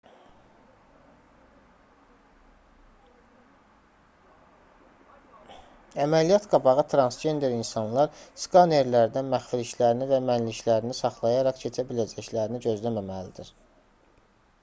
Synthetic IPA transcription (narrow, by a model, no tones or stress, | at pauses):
æmælijɑt̪ɡɑbɑʁɯt̪ʰɾɑnsd͡ʒe̞nd̪eɾinsɑnlˠɑɾskɑne̞ɾlæɾd̪ænmæχfiliʃlæɾinivæmænliʃlæɾinisɑχlˠɑjɑɾɑχcʰe̞t͡ʃʰæbilæd͡ʒæçlæɾiniɟø̞zlæmæmælid̪iɾ